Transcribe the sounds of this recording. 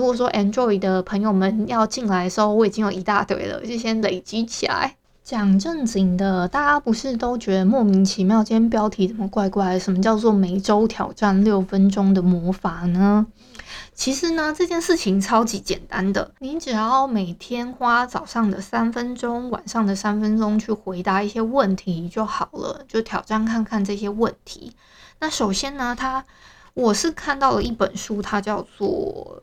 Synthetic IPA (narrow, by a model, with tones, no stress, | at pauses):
u˧˥kwɔ˨˩ʂ̬wɔ˦˥ʔɛ˥ndɹɔ˥˧i˨˩d̪ə˨pʰə˧˥ŋjo˧ʊmə˨˩njɑ˥˧ʊt͡ɕi˥˩nla˧˥ɪʂo˥˧wɔ˧˥i˨˩t͡ɕi˥ŋjo˨˩i˧˥t̪a̰˥˧t̪wḛ˥˩ɪlə̰˨t͡ɕo˥˩ɕjɛ˥nle˨˩ɪt͡ɕi˥t͡ɕʰi˨˩la̰˧˦ɪ | t͡ɕjɑ˨˩ŋʈ͡ʂə˥˩ŋt͡ɕi˨˩ŋd̪ə˦t̪a˥˩t͡ɕa˥pu˧˥ʂɻ̩˥˩t̪o˥ʊt͡ɕɥɛ˧˥d̪ə˧mwɔ˥˩mi˧˥ŋt͡ɕʰi˧˥mjɑ˥˩ʊt͡ɕɛ˥np̬jɑ˥ʊt̪ʰi˧˥t͡sə˨˩mə˦kwa˥˧ɪkwa˥˩ɪ˩ʂə˨˩mə˧˦t͡ɕjɑ˥˧ʊt͡swɔ˥˩me˧˩˥ɪʈ͡ʂo˥ʊt̪ʰjɑ˨˩ʊʈ͡ʂa˥˧nljo˥˩ʊfə˦nʈ͡ʂʊ˥ŋd̪ə˨mwɔ˧˥fa˨˩˦nə˩ | t͡ɕʰi˧˥ʂɻ̩˧˥nə˧ʈ͡ʂɤ˥˧t͡ɕjɛ˥˧nʂɻ̩˥˩t͡ɕʰi˧˥ŋʈ͡ʂʰɑ˥ʊt͡ɕi˧˥t͡ɕjɛ̰˨˩nt̪a˦˥nd̪ə̰˨ni˧˥ʈ͡ʂɻ̩˨˩jɑ˥˩ʊme˨˩ɪt̪ʰjɛ˥nxwa˥t͡sɑ˨˩ʊʂɑ˥˩ŋd̪ə˩sa˥nfə˦˥nʈ͡ʂʊ˥ŋwa̰˨˩nʂɑ˥˩ŋd̪ə˩sa˥nfə˥nʈ͡ʂʊ˥ŋt͡ɕʰy˥˩xwe˧˥ɪt̪a˧˥i˥˩ɕjɛ˥wə˥˨˩nt̪ʰi˧˥t͡ɕjo˥˩ʊxɑ˨˩ʊlə̰˦t͡ɕjo˥˩ʊt̪ʰjɑ˨˩ʊʈ͡ʂa˥˧nkʰa˥˧nkʰa˥˧nʈ͡ʂɤ˥˩ɕjɛ˥wə˥˨nt̪ʰḭ˧˥˦ | na˥˩ʂo˨˩ʊɕjɛ˥nnə˧t̪ʰa˥ | wɔ˨˩ʂɻ̩˥˧kʰa˥˧nt̪ɑ˥˩ʊlə˩i˥˩pə˨˩nʂu˥t̪ʰa˥t͡ɕjɑ˥˧ʊt͡swɔ̰˥˩